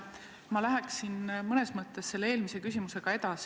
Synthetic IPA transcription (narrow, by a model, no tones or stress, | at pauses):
mɑlæɦæksinmɤne̞smɤt̪ːˑe̞sːe̞lːee̞ːlmise̞kysimuse̞ɡ̥ɑe̞d̪̥ɑs